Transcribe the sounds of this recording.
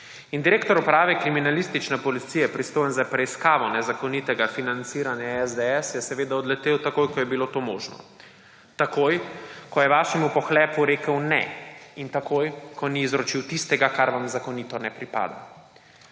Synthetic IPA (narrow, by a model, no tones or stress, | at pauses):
ind̪iɾeːkt̪ɔɾupɾaːʋɛkɾiminalist̪it͡ʃnɛpɔlit̪sijɛpɾist̪oːjɛnzapɾɛiskaːʋɔnɛzakɔnit̪ɛɡafinant̪siːɾanjaɛzd̪ɛɛsjɛsɛʋeːd̪aɔd̪lɛt̪eːwt̪akojkɔjɛbilot̪oːmo̰ːʒnɔ̰ | t̪akojkɔjɛʋaːʃɛmupɔxlɛːpuɾeːkəwnɛ̰int̪akoːjkʰɔniːzɾot͡ʃiwt̪ist̪ɛɡakaɾʋamzakɔnit̪ɔnɛpɾipa̰ːd̪a̰